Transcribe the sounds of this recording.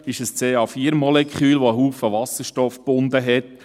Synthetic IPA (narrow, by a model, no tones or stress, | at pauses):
ɪʃəst͡seːɑːfiːəɾmɔlɛkχyːlʋoəɦuːfəʋɑsəɾʃtɔfb̥ʊnd̪əɦɛt